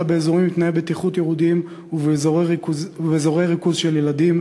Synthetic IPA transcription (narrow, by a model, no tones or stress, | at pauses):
abeezoʁimːit̪naebet̪iχut̪jeʁud̪im | vzoʁezvezo̞ʁeʁikuzʃeljelad̪im